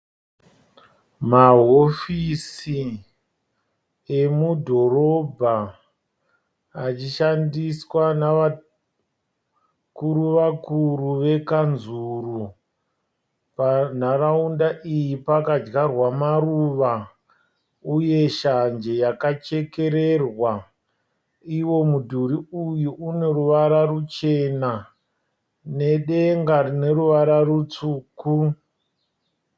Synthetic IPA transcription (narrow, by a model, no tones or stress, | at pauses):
maɦofisi | emudʱo̞ro̞bʱa | t͡ʃiʃandiswanaa | kuɾuʋakuruʋe̞kanzuru | pnaraundaʔijipakad͡ʒɡarwamaruʋa | uje̞ʃand͡ʒe̞jakat͡ʃe̞ke̞ɾe̞rwa | iwo̞mudʱuɾiujuʔune̞ruʋaɾarut͡ʃe̞na | ne̞ɗeŋɡarine̞ɾuʋaɾarut͡suːku